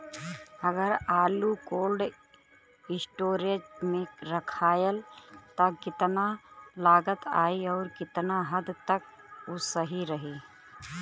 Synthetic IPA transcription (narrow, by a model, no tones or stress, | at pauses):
ɐɡəɾaːlukoːlɖ | ɪsʈoːɾet͡ʃmẽɾɐkʰaːjəlt̪ɐkɪt̪nalaːɡət̪a̰ːiɔːɾkɪt̪naɦəd̪t̪ɐk | ʊsəɦiɾɐɦiː